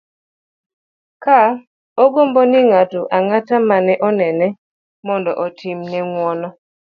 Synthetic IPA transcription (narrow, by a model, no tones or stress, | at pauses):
ka | oɡombonɪŋatʊʔaŋatamanɛʔɔnɛnɛ | mɔndɔ̰ʔɔtʰimnɛŋwɔnɔ